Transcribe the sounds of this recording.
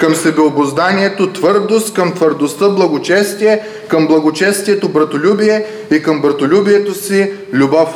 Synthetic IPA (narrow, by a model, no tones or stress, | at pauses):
kəmsɛbɛobozd̪aniɛt̪ot̪vɤɾd̪ost̪kəmt̪vəɾd̪ost̪əblˠɐɡot͡ʃɛst̪iɛ | kəmblˠɐɡot͡ʃɛst̪ijɛt̪obɾɐt̪olʲubijɛ | ikəmbɾɐt̪olʲubijɛt̪osi | lʲubɔf